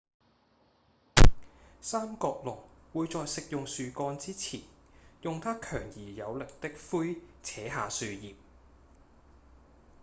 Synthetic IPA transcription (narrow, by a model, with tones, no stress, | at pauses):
saː˥mkɔː˧k̚lɔː˨˩k̚wuː˨˧jt͡sɔː˧jsɪ˨k̚jʊ˨ŋsyː˨kɔː˧nt͡siː˥t͡sʰiː˨˩njʊ˨ŋt̪ʰaː˥kʰœː˨˩ŋjiː˨jɐ˨˧wlɪ˨k̚t̪ɪ˥k̚fuː˥jt͡sʰɛː˨˥ɦaː˨˧syː˧jiː˨p̚